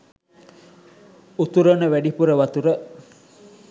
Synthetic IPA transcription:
ut̪uɾənəʋæɖipuɾəʋɐt̪uɾə

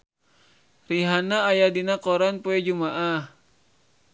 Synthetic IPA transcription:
riɦanaːjadinakɔɾanpoɛd͡ʒumaʔah

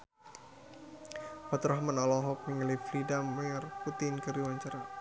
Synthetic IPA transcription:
pat̪ɾɔɦmanɔlɔɦɔk̚məŋəliflidaməŋarput̪ɪnkəɾiwaɲt͡ʃaɾa

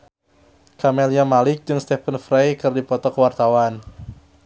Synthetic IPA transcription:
kamɛlijamalɪk̚d͡ʒɨŋst̪ɛpənfɾajkɨrdipɔt̪ɔkəwart̪awan

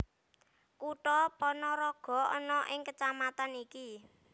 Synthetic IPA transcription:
kuʈɔpɔnɔɾɔɡ̥ɔ̤ɔ̰nɔʔɪŋkət͡ʃamat̪aniki

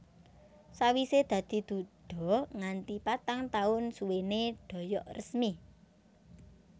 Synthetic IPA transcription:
sawised̪̥ä̤d̪̥i̤d̪̥ṳɖ̥ɔ̤ŋant̪ipat̪aŋt̪aʊnsuweneɖ̥ɔ̤jɔʔrəsmi

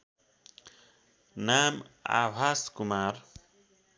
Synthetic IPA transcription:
naːma̰bʱaːskumaɾ

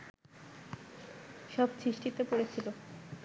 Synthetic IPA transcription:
ʃɔbt͡ɕʰiʃʈit̪epoɾet͡ɕʰilo

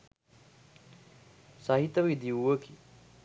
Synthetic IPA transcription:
saɦit̪əʋid̪iuʋəki

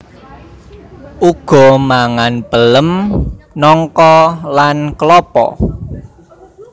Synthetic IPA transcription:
ʔuɡ̥ɔ̤maŋanb̥ələmnɔŋkɔlankəlɔpɔ̰

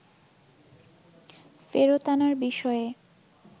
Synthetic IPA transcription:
feɾot̪anaɾbiʃɔe

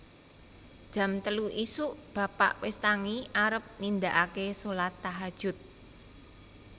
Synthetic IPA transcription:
d̥ʒ̥ä̤mt̪əluʔisuʔb̥ä̤pa̰ʔwɪst̪aŋiʔaɾəp̚nind̪aʔakesolat̪ːaɦad̥ʒ̥ʊ̤t̪̚

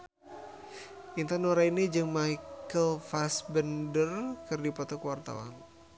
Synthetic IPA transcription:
int̪anoɾainid͡ʒɨŋmajkəlfasbəndərkɨrdipɔt̪ɔkəwart̪a̰wa̰n

